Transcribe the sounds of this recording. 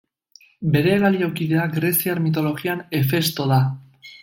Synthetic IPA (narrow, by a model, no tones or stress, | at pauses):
be̞ɾe̞ːβaliawkiðe̞aɡɾe̞siaɾmit̪̬o̞lo̞ɣiane̞fe̞st̪o̞ða